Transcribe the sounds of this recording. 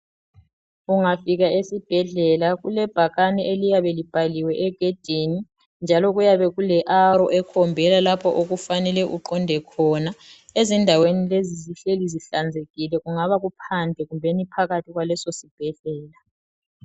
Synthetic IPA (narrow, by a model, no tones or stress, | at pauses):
uŋafiɣaesib̥ʱɛɮɛlaɣulɛb̥ʱaɣanɛʔelijaβɛlib̥ʱaliwɛʔɛɡ̥ʱed̥ʱini | nd͡ʒʱalɔɣujaβɛɣulɛʔaɾɔ̰ʔɛkʰɔmbʱɛlalapʰɔʔoɣufanɛlɛʔuǃɔndʱɛkʰɔnaezindʱawenileziziɬeliziɬand͡zʱeɣilɛɣuŋaβaɣupʰandʱɛɣumbʱɛnipʰaɣatʰiɣwalɛsosib̥ʱɛɮɛːla